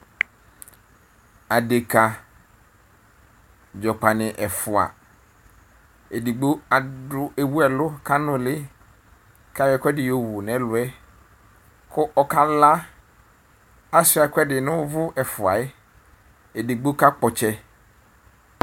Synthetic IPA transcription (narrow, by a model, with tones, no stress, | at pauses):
a˨de˨ka˨ | d͡ʒɔ˨k͡pa˨nɪ̃˨ʔɛ˨fʊ˨a̰˨ | e˨di˨ɡ͡bo˦a˨dʊ˦e˨wu˦ɛ˨lʊ˦kʰa˦nʊ̃˨lɪ˦ | kʰa˦jɛ˦˨kɛ˦dɪ˨jo˨wʊ˨nɛ̃˨˦lʊ˨ɛ˦ | kʰʊ˦ʔɔ˨ka˦la˦ | a˦sɪ˦a˨kʰʷɛ˦dɪ˨nʊ̃˦vʊ˦ʔɛ˨fʊ˨a˨ɪ˦ | e˨di˨ɡ͡bo˦ka˦k͡pɔ˨t͡ʃɛ˦